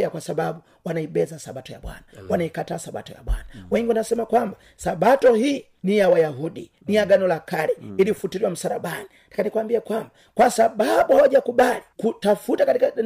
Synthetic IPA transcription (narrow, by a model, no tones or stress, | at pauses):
akwasaɓaɓu | wanaiɓɛzasaɓatɔja̰ɓwa̰nawanaikataːsaɓa̰tɔja̰ɓwa̰nawɛŋɡiuwanasɛmakwamba | saɓatɔhiː | nijawajaɦuɗi | nijaɡanɔlakaɾɛilifutiɾiwam̩saɾaɓaninakanikwambiakwamba | kwasaɓaɓuhawaʄakuɓalikutafutakatika